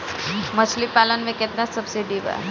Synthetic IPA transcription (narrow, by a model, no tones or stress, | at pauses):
məsʰlipalənʋeket̪nassəbsiɖiʋa̰